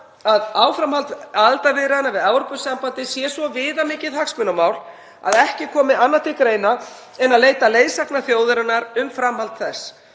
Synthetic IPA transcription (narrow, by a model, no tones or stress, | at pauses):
aðaːwfɾamhalt̪alt̪avɪɾanavɪðawɔɾpʏsɛmpant̪ɪsjɛsvɔvɪːðamɪːcɪðhaksmʏnamaːwl | a̰ðɛhcɪkʰɔːmɪanːat̪ʰɪkɾeːjna | ɛnaðleːjt̪aleːjðsaknaθjoːwðʏɾʏnːaɾʏmfɾamhalt̪θɛs